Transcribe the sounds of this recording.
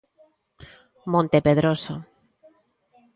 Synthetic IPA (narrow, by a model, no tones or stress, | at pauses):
mõnt̪epeðɾoso